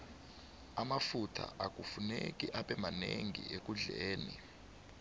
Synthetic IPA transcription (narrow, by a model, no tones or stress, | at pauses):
amafutʰa̰ʔak̬ufunekʼiʔaɓɛmaneŋḭʔek̬ʼuɮeːni